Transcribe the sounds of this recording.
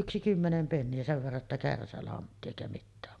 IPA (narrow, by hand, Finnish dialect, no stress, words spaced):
yksi kymːenem penːiæ seʋ ʋerːɑ tːɑ kærsælɑntːi eˑikæ mitːæːm